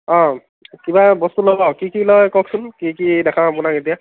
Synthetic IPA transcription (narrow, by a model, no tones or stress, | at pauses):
ɔ̃ | kibabɔst̪ulobɔkikilɔjkɔk̚sʊnkikidɛkʰãapʊnaket̬ija